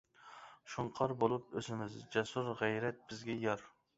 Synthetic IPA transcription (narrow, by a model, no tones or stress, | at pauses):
ʃuɴqʰɑɾbolˠup̚øzɪmɪzd͡ʒɛsuɾʁæjɾɛt̪̚b̥ɪzɡʲɛjɑɾ